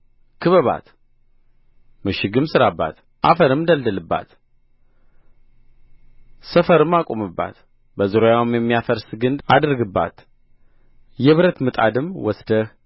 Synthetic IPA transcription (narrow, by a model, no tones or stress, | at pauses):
kʰɨβəβa̰t̪ | mɨʃɪɡɨmsɨɾabːa̰t̪ | ʔa̰fəɾɨmd̪əld̪əlɨbːa̰t̪ | səfəɾɨmːakʼomɨbːa̰t̪ | bəzɨɾojawmjɛmːijafəɾsɨɡɨnd̪ad̪ɨɾɡɨbːa̰t̪ | jɛβɨɾət̪mɨt̪ʼa̰d̪ɨmwɔsd̪ə